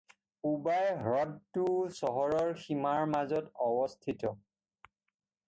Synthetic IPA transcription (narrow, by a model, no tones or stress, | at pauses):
ubajɦɹɔdtusɔɦɔɹɔɹximaɹmazɔtɔbɔstʰitɔ